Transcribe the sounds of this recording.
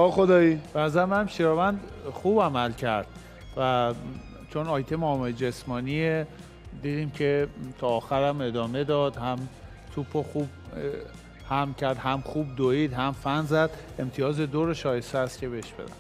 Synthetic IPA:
ɒːxod̪ɒːib̥enæzæɾemæmʃiɾɒvænd̪χuːbæmælcʰæɾd̪̥ | væ | t͡ʃʰo̞nɒːjt̪ʰemɒmeld͡ʒesmɒːnie | d̪iːd̪iːmcʰe̞t̪ʰɒːxæɾæme̞d̪ɒːme̞d̪ɒːd̪̥hæm | t̪ʰupʰoxub̚ | hæmcʰæɾd̪ɦæmxuːb̚d̪oid̪ɦæmfænzæd̪ | e̞mt̪ʰijɒːzed̪oɾoʃɒːjest̪eæst̪cʲʰe̞be̞ʃb̥e̞̰d̪æ̰m

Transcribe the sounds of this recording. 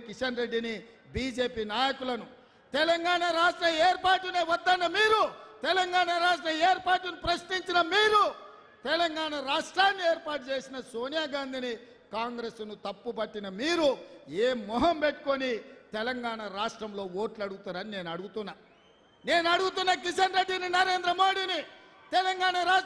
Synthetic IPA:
kiʂɐnɾe̞ɖːini | biːd͡ʒe̞ːpiːnaːjɐkulɐnu | t̪ɛlɐŋɡaːɳɐɾaːʂʈɾɐmeːɾpaːʈ̬uneːʋɐd̪ːɐnːɐmiːɾut̪ɛlɐŋɡaːɳɐɾaːʂʈɾɐeːɾpaːʈunipɾɐʃniɲt͡ʃinɐmiːɾu | t̪ɛlɐŋɡaːɳɐɾaːʂʈɾaːnːieːɾpaːʈut͡ʃe̞ːsinɐso̞ːnijaːɡaːnd̪ʱini | kaːŋɡɾesnut̪ɐpːupɐʈːinɐmiːɾueːmːɔːɦɐmpeʈːu̥konit̪ɛlɐŋɡaːɳɐɾaːʂʈɾɐmlo̞ːwo̞ːʈlɐɽuɡut̪uːɾɐnine̞ːnɐɽuɡut̪unːaː | ne̞ːnɐɽuɡut̪unːɐkiʃɐnɾeɖːininɐɾe̞ːnd̪ɾɐmo̞ːɽini | t̪ɛlɐŋɡaːɳɐɾaː

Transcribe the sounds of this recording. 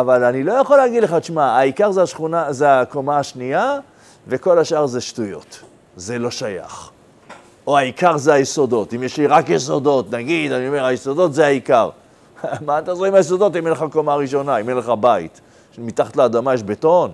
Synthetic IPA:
avalanilo̞jaχo̞leaɡid̪leχat͡ʃmaaikaʁzeaʃχunazeakomaːʃnia | ve̞ko̞laʃaʁzeʃtujo̞̰t | zelo̞ʃaja̰χ | o̞aikaʁzeajeso̞do̞t̪imjeʃliʁakjeso̞do̞tnaɡid̪anio̞me̞ʁajeso̞do̞tzeaikaʁ | mat̪azʁeimajes̬odo̞timenleχako̞maːʁiʃo̞naimenleχabaḭt | mit̪aχat̪leːd̪amajeʃbeto̞n

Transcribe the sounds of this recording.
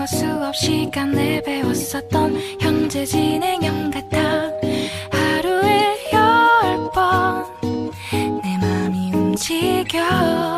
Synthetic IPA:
ʌs͈uʌp̚ɕ͈ikamnebewʌs͈ʌt̚t͈ʌnçjʌŋd͡ʑed͡ʑine̞ŋjʌŋɡat͈a | haɾuehjʌpʌ | nemamiumt͡ɕʰiɡjʌ

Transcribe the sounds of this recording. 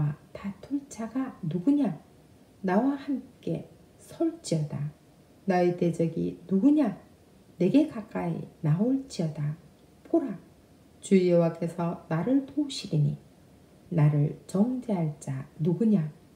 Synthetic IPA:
atatʰoɭt͡ɕ͈ʰaɡanuɡuɲa | nawahamk͈e̞̰ | sʰʌɭt͡ɕ͈iʌda | naete̞d͡ʑʌɡḭnuɡuɲa | ne̞ɡe̞kak͈aḭnaoɭt͡ɕ͈iʌda | poɾa | t͡ɕujʌwak͈e̞sʰʌnaɾɯɭpouɕʰiɾinḭ | naɾɯɭt͡ɕʌŋd͡ʑeɦaɭt͡ɕ͈anuɡuɲa

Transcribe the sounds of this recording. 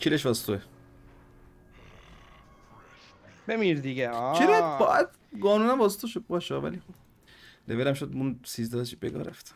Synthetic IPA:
t͡ʃʰileʃvæst̪ʰoe | bemiɾd̪iɡeɔilebɒ̰ːʔæd̪ | ɡɒːnuːnæmvɒːset̪ʰoʃod̪̚bɒːʃɒːvæ̰lixob̥ | levelæmʃod̪munsizd̪ɒːt͡ʃʰibeɡɒ̰ːɾæft̪

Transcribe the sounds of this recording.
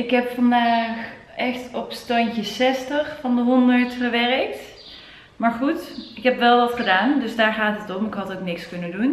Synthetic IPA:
ɪkɦɛpfɑndaːx | ʔɛxtɔpstɑɲtəsɛstəχfɑndəɦɔndəɹtfərʋɛrək̚t | maːɹχutɪkɦɛpʋɛlˠʋɑtχədaːndɵsdaːɹχaːtətɔmɪkɦɑtoknɪkskɵnəndun

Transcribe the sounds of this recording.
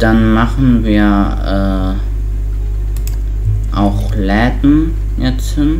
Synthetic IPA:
d̥anmaχn̩viːɐʔɛː | ʔaʊx | lɛːdn̩ | jɛt͡sthɪn

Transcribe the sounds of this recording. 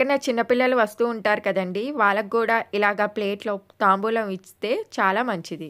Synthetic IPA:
ɐnɐt͡ʃinːɐpilːɐluʋɐst̪uːɳʈaːɾukɐd̪ɐɳɖiʋaːɭːɐk̚kːuːɽaːilaːɡaːple̞ːʈlo̞ːt̪aːmbuːlɐmist̪e̞ːt͡ʃaːlaːmɐɲt͡ʃid̪i

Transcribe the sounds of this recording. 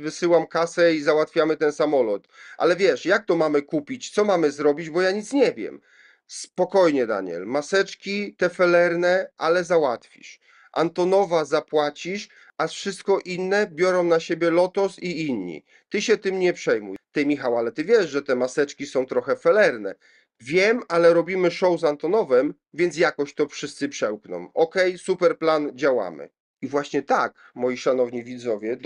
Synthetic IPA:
vɘsɘwamkasɛizawat̪fʲjamɘt̪ɛnsamɔlɔt̪ʔa̰lɛvʲjɛʂjak̚t̪ɔmamɘkupʲit͡ɕt̪sɔmamɘzɾɔbʲid͡ʑbɔjaɲit̪sɲɛvʲjɛ̰m | spɔkɔjɲɛd̪a̰ɲɛ̰lmasɛt͡ʂkʲit̪ɛfɛlɛɾnɛʔalɛzawat̪fʲḭʂ | ʔa̰nt̪ɔnɔvazapwat͡ɕiʂ | afʂɘst̪̚kɔʔinːɛbʲjɔɾɔ̃w̃naɕebʲjɛlɔt̪ɔsiinɲḭ | t̪ɘɕɛt̪ɘmɲɛpʂɛjmṵjt̪ɛmʲixawalɛt̪ɘvʲjɛʂʐɛt̪ɛmasɛt͡ʂkʲisɔ̃w̃t̪ɾɔxɛfɛlɛɾnɛ | vʲjɛmalɛɾɔbʲimɘʂɔwzant̪ɔnɔvɛm | vʲjɛnt̪s̬jakɔɕt̪ɔfʂɘst̪sɘpʂɛwknɔ̰̃mɔkɛjsupɛɾpland͡ʑawa̰mɘ̰ | ivwaɕɲɛt̪ak | mɔjiʂanɔvɲivʲid̪zɔvʲjɛ

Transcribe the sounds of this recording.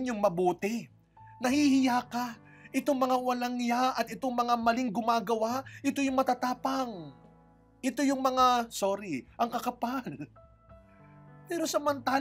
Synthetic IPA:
ɲjʊŋmɐbuːt̪ɪ | nɐhihɪjaːka | ʔɪt̪oŋmɐŋawɐlaŋjaʔɐt̪ɪt̪oŋmɐŋamɐliŋɡʊmaːɡɐwaʔɪt̪o̞jʊŋmɐt̪at̪aːpɐŋ | ʔɪt̪o̞jʊŋmɐŋasoːɾɪʔɐŋkɐkɐpal | pɛːɾo̞sɐmɐnt̪aː

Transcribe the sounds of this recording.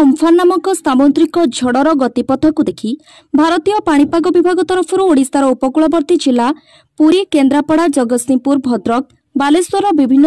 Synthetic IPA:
ɔmfʰanːamɔkɔst̪abɔnt̪ɾikɔd͡ʒʱɔɽɔɾɔɡɔt̪ipɔt̪ʰːɔkud̪ekʰi | bʱaɾɔt̪ijɔpaɽ̃ipaɡɔbibʱaɡɔt̪ɔɾɔpʰɔɾuoɽist̪aɾɔupɔkuɭɔbɔɾt̪id͡ʒila | puɾikend̪ɾapɔɽad͡ʒɔɡɔsimpuɾbʱɔd̪ɾɔk̚ | balest̪ɔɾɔbibʱinːɔ

